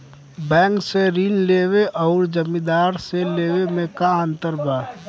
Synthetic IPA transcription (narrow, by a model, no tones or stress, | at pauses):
bɛ̃ːŋkseɾinleweʔɔʊɾd͡ʒəmĩd̪aːɾseleːwemẽkaə̃nt̪əɾba